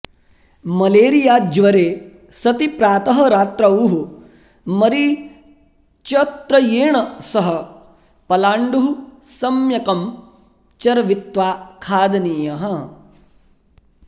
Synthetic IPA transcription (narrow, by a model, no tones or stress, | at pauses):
mɐleːɾijaːd͡ʒʋɐɾeː | sɐt̪ipɾaːt̪ɐɦɐɾaːt̪ɾɐuːɦu | mɐɾi | t͡ʃɐt̪ɾɐjeːɳɐsɐɦɐ | pɐlaːɳɖuɦusɐmjɐkɐm | t͡ʃɐɾɐʋit̪ʋaːkʰaːd̪ɐniːjɐɦɐ